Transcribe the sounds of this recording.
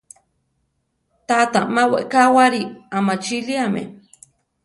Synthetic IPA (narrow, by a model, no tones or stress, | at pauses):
t̪at̪amawḛʔkawaɾiamat͡ʃiliamḛ